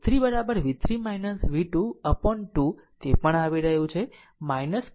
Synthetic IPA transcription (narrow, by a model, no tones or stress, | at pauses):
t̪ʰɾibəɾabəɾʋit̪ʰɾimajnəsʋiʈuəpɔnʈu | d͡ʒepəɳaʋiɾəɦũt͡ʃʰe | majnəs